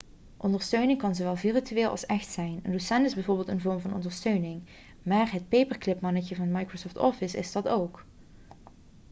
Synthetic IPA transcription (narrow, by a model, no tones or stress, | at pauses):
ʔɔndəɹstøɥnɪŋkɑnzowʋɛlˠvirityʋeːlˠʔɑ̰lˠsɛxtsɛjnəndusɛntɪzbɛjvʊːɹbɪːlˠtənvɔɹmvɑnʔɔ̰ndəɹstøɥnɪŋ | maːɹɦət̚pejpəɹklɪpmɑnəcəvɑndmɑjkrosoftɔfɪsɪ̰zdɑtowk